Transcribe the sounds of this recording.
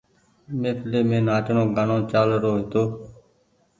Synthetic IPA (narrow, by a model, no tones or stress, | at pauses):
mẽːpʰɪleːmẽːnaːʈnõːɡanõːt͡ʃaːlɾoːɦet̪oː